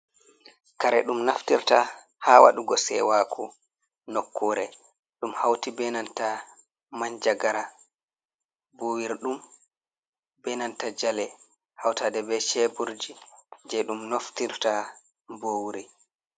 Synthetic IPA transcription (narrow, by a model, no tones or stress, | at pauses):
kaɾɛɗumnaftiɾta | haːwa̰ɗuɡɔsɛ̰waːkʰu | nɔkʰːɔːɾɛ | ɗumhawtibɛnanta | maɲd͡ʒaɡaɾa | bowiɾɗum | bɛnantad͡ʒalɛ | hawtadɛbɛt͡ʃɛbuɾd͡ʒid͡ʒɛɗumnoftiɾta | bowɾi